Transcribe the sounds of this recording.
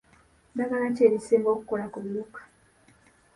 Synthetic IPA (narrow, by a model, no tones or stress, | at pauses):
daɡalaceːɾisiːmɡo̞ku̥ko̞lakuβiɾukḁ